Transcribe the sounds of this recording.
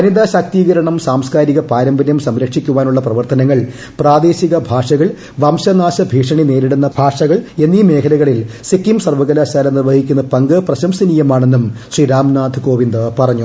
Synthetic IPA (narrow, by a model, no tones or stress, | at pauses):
ɐnid̪aːɕaːk̚t̪iːɣɐɾɐɳɐmsaːmskaːɾiɣɐpaːɾɐmbɐnjɐmsɐmɾɐkʂikʲːuʋaːnuɭːɐprɐʋɐrt̪ɐnɐŋːɐɭ | praːd̪e̞ːɕiɣɐbʱaːʂɐɣɐɭ | ʋɐmɕɐnaːɕɐbʱiːʂɐɳine̞ːɾiɽunːɐbʱaːʂɐɣɐɭe̞nːime̞ːkʰɐlɐɣɐɭilsikːimsɐrʋɐɣɐlaːɕaːlɐnirʋɐhikʲːunːɐpɐŋɡɐprɐɕɐmsɐniːjɐmaːɳe̞nːumɕriɾaːmnaːd̪ʱko̞ːʋind̪ɨpɐrɐɲːu